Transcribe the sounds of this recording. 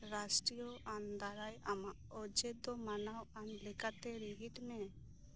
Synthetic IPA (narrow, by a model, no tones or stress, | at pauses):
ɾasʈɾijɔʔand̪aɾajamaʔɔd͡ʒɛd̪ɔmanawanlɛkat̪ɛɾiɦiʈmɛ